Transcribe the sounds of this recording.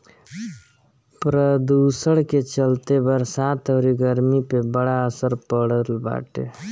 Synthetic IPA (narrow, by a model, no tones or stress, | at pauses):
pɾəd̪uːsəɽket͡ʃəlt̪ebəɾsaːt̪ʰoɾiɡəɾmipebəɽaəsəɾpəɽəlba̰ːʈḛ